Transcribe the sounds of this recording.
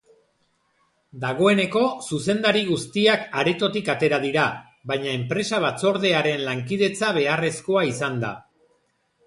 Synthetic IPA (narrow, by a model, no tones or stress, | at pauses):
d̪aɣ̞o̞e̞ne̞ko̞suse̞nd̪aɾiɣ̞ust̪iakaɾe̞t̪o̞t̪ikat̪e̞ɾað̞iɾa | βajɲae̞mpɾe̞saβ̞at͡so̞ɾðe̞aɾe̞nlaŋkiðe̞t͡saβ̞e̞are̞sko̞aisand̪a̰